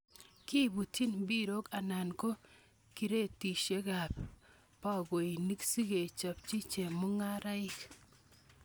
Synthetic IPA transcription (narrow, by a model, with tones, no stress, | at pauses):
ki˦bu˨tʰi˦nbi˦ɾo˦ka˨na˨nko˦ | ki˨ɾe˦˨ti˨ʃe˦ka˨p | pa˦ɡo˨i˨ni˦ksi˦ɡe˨t͡ʃa˨p̚t͡ʃi˦t͡ʃe˨mu˦ŋa˦ɾa˦i˦k